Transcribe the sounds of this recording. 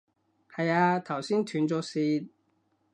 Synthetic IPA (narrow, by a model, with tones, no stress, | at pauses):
hɐ˨jaː˧t̪ʰɐ˨˩wsiː˥nt̪ʰyː˨˥nt͡sɔː˨˧siː˧t̪̚